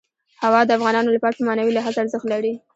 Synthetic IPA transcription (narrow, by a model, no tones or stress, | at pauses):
hawɑd̪əafɣɑnɑnolapɑʈamɑnawilaɦat͡saɾzəxt̪laɾi